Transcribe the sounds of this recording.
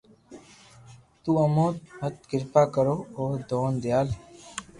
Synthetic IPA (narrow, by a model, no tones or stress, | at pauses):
t̪uːəmoːt̪ɦət̪̚ɡɪɾpaːkəɾoːoːɾd̪oːnd̪ɪjaːl